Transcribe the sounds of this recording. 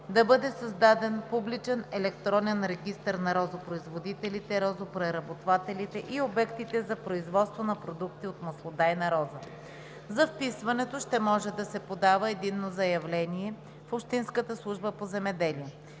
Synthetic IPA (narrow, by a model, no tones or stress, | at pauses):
d̪ɐbɤd̪ɛsɐzd̪ad̪ɛnpublit͡ʃɛnɛlɛkt̪ɾɔnɛnɾɛɡʲist̪əɾnɐɾɔzopɾoizvod̪it̪ɛlit̪ɛɾɔzopɾɛɾɐbot̪vat̪ɛlit̪ɛʔiobɛkt̪it̪ɛzɐpɾoizvɔt̪st̪vonɐpɾod̪ukt̪iot̪mɐslˠod̪ajnɐɾɔzə | zɐfpisvɐnɛt̪oʃt̪ɛmɔʒɛd̪ɐsɛpod̪avəɛd̪inːozɐjɐvlɛniɛ | fopʃt̪inskət̪əslˠuʒbəpozɛmɛd̪ɛliə